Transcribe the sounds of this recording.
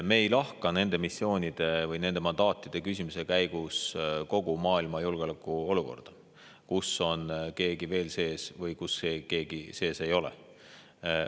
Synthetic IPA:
me̞ːjlɑhkɑne̞nd̪̥e̞misːjo̞ːnʲid̪̥e̞vɯjne̞nd̪e̞mɑnd̪ɑːt̪ːˑid̪̥e̞kys̬ʲimuse̞kæjɡ̥usko̞ɡ̥umɑːilmɑjulɡeolekːˑuo̞luko̞̰rd̪̥ɑ | kuso̞nke̞ːɡ̥ive̞ːlse̞ːsvɯjkusːeːke̞ːɡ̥ise̞ːse̞jo̞lḛ

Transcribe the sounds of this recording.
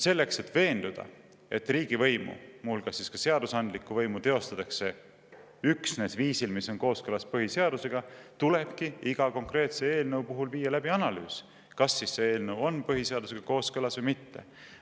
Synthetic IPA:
se̞lːe̞kse̞t̪ːˑve̞ːnd̪̥ud̪̥ɑ̰ | e̞t̪ːriːɡ̥ivɤ̞jmṵmuulɡ̥ɑsːiskɑse̞ɑd̪usɑnd̪likːˑuvɤjmut̪e̞o̞st̪ɑt̪ːˑɑkse̞ | yksne̞sviːsilmisːo̞nko̞ːskɤlɑspɤɦise̞ɑd̪use̞ɡ̥ɑt̪ule̞b̥kiiɡ̥ɑko̞ŋkre̞ːt̪se̞e̞ːlnɤwpuɦulviːɑlæb̥iɑnɑlyːs | kɑsːisseeːlnɤwo̞npɤɦise̞ɑd̪us̬e̞ɡ̥ɑko̞ːskɤlɑsvɤjmit̪ːe̞̰

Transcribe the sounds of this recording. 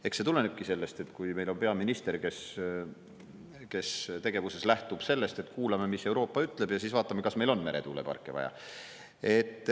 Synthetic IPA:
e̞kse̞t̪ule̞neb̥̚kise̞lːest̪e̞t̪ːkujme̞jlo̞npe̞ɑminist̪e̞ɾke̞s | ke̞st̪e̞ɡ̥e̞vuse̞slæht̪ub̥se̞lːe̞st̪e̞t̪ːˑkuːlɑmemisːe̞wɾo̞ːpːˑɑyt̪ˑle̞b̥jɑsiːsvɑːt̪ːˑɑmːekɑsme̞jlo̞nme̞ɾe̞̰t̪uːlḛpɑ̰rkːˑevɑ̰jɑ̰ | e̞t̪ːˑ

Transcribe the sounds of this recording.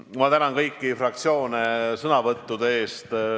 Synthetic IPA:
mɑt̪ænɑnkɤjkːifrɑk̚t̪sio̞ːnesɤnɑvɤt̪ːud̪eeːst̪

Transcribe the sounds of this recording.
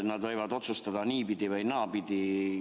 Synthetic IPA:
nad̪aɛːvat̪ɔt̪sɔst̪ad̪aniːpit̪ivainaːpit̪i

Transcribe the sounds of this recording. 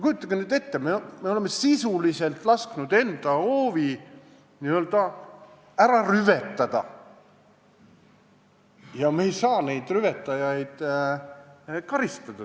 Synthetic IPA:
ekujut̪ːˑɑɡ̥enyːd̪e̞t̪ːememe̞o̞le̞mːesisulise̞lt̪ˑlɑsknud̪̥e̞nd̪̥ɑoːvi | niø̞ld̪̥ɑ | æɾɑryve̞t̪ːˑɑd̪̥ɑ̰ | jɑmejsɑːne̞jd̪̥ryvet̪ːˑɑjɑjd̪̥ | kɑɾist̪ɑd̪̥ɑ

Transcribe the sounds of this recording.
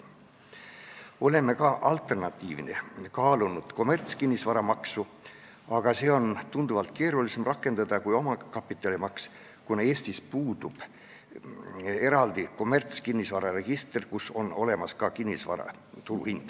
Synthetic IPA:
o̞le̞me̞kɑʔɑlt̪ˑe̞rnɑt̪ːiːvinekɑːlunud̪̥ko̞mert̪skinʲːisvɑɾɑmɑksu | ɑɡ̥ɑse̞ːo̞nt̪und̪̥uvɑlt̪ˑke̞ːɾulise̞mrɑkˑːe̞nd̪̥ɑd̪̥ɑkujo̞mɑkɑpːˑit̪ːˑɑlimɑks | kuneeːsʲt̪ispuːd̪̥ub̥ | e̞ɾɑld̪iko̞me̞rt̪skinʲːisvɑɾɑre̞ɡ̥ist̪rkuso̞no̞le̞mɑskɑkinʲːisvɑ̰ɾɑ̰ | t̪ulṵhind̪̥

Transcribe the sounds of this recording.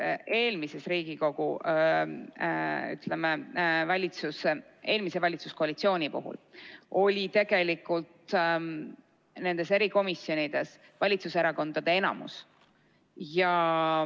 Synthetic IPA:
ʔe̞ːlmise̞sɾiːɡ̥iko̞ɡ̥u | y̰t̪lemevɑlʲit̪suse | e̞ːlmise̞vɑlʲit̪suskoɑlit̪sio̞ːnʲipṵɦṵlo̞lʲit̪e̞ɡ̥e̞likːˑult̪ | ne̞nd̪̥e̞se̞ɾiko̞misːjo̞nid̪̥e̞s | vɑlʲit̪suseɾɑko̞nd̪̥ɑd̪̥e̞e̞nɑ̰mṵs | jɑ

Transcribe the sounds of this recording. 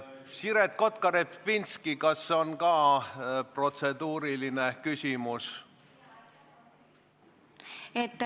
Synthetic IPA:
siɾet̪̚ko̞t̪kɑɾepvinskikɑsːeo̞nkɑːpro̞t̪se̞d̪uːɾiline̞kysʲimus | et̪ː

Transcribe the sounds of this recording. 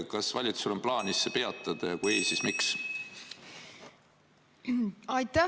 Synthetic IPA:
kɑsvɑlʲit̪su̥sulo̞mplɑːnisːepe̞ɑt̪ːˑɑd̪̥ɑjɑkujeːsismiks | ɑjt̪ːæ

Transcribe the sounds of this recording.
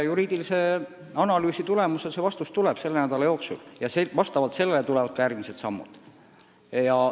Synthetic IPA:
juɾiːd̪ilise | ɑnɑlyːsit̪ule̞muse̞sevɑst̪ust̪uleb̥se̞lːenæd̪̥ɑlɑjo̞ːksṵljɑsevɑst̪ɑvɑlt̪se̞lːelet̪ulevɑt̪̚kɑjæːrɡ̥miset̪sɑmːṵd̪̥ | jɑ

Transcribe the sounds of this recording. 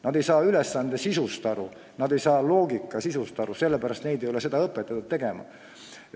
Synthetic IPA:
nɑd̪e̞jsɑːylɛsːɑnd̪̥e̞sisust̪ɑɾu | nɑd̪e̞jsɑːlo̞ːɡikːˑɑsisust̪ɑɾuse̞lːepæɾɑst̪ne̞jd̪ejo̞le̞se̞d̪ɑɤpˑːet̪ːˑɑt̪ːut̪̚t̪ːe̞ɡemɑ̰

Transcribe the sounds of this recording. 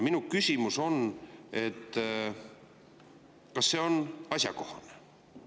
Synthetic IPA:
minukysʲimuso̞ne̞t̪ː | kɑsːe̞o̞nɑsʲjɑ̰ko̞hɑ̰ne̥

